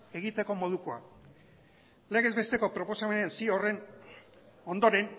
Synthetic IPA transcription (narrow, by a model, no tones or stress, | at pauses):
e̞ɣ̞it̪e̞ko̞mo̞ð̞ukoa̰ | leɣe̞zβe̞st̪e̞ko̞pɾo̞po̞same̞nensiore̞n | o̞nd̪o̞ɾe̞n